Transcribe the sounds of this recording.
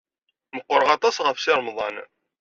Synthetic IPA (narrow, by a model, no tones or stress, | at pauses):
məqːəɾəʁɑt̪ˤɑsʁəfsiɾˤmðˤɑn